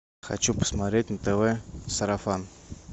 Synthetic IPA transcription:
xa̰t͡ɕupə̥smat̪ɾʲet̚ʲnət̪ɛvɛsəɾafan

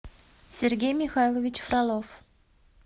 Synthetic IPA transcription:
sʲerɡʲejmʲixɑjlˠovʲit͡ɕfrɑlˠof

